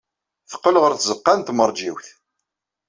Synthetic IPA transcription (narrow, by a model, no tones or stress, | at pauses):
θə̥qːəlʁəɾθzəqːɑnt̪məɾˤd͡ʒiwθ